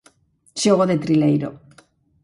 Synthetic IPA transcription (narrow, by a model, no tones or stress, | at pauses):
ʃoɣoðet̪ɾilejɾo̰